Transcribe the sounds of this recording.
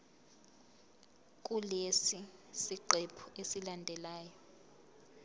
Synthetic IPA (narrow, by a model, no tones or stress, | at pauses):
k̬ʼulesisiǃɛpʰuesilandʱɛlaːjɔ